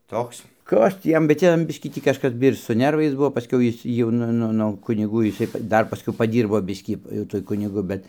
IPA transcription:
ˈtoːks ˈkɐs tʲiː ˈjɛm bʲɛt ˈjɛm ˈbʲɪʃʲkʲiː ˈtʲiː kɐʃˈkɐs ɪr sʊ ˈnʲɛrʋɐɪs ˈbuɔ pɐˈsʲkʲɛʊ ˈjɪs ˈjɛʊ nʊ ˈnʊ noː ˈkʊnʲɪɡʊ jɪˈsɐɪ ˈdɐr pɐˈsʲkʲɛʊ pɐˈdʲiːrboː ˈbʲɪsʲkʲiː jɛʊ ˈtuɔj ˈkʊnʲɪɡʊ ˈbʲɛt

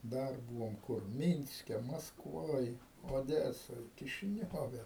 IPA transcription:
ˈdɐr ˈbuːʋoːm ˈkʊr ˈmʲiːnʲsʲkʲɛ mɐskˈʋoːj oːˈdʲæːsoːj kʲɪʃʲɪˈnʲoːʋʲɛ

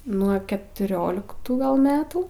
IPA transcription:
nuɔ kʲɛtʊˈrʲoːlʲɪktuː ɡɐlˠ ˈmʲæːtuː

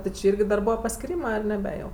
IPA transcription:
tʲɪ t͡ʃʲɪ ˈiːrʲɡʲɪ dɐr ˈbuːʋɐ pɐsʲkʲɪˈrʲiːmɜ ɐr nʲɛˈbʲɛ jɛʊ

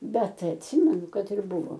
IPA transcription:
bʲɛt ɐtʲˈsʲɪmʲɛnʊ ˈkɐt ɪr ˈbʊʋoː

